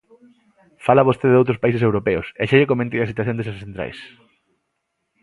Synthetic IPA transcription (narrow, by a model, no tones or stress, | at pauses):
falɐβost̪eðowt̪ɾʊspaisesewɾopeʊseʃeʎekomẽnt̪ejɐsit̪waθjõnd̪es̬assent̪ɾa̰js